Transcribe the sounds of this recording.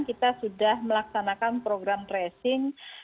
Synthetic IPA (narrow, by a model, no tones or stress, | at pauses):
nkit̪asudahməlaksanakanpɾoɡɾamresɪŋ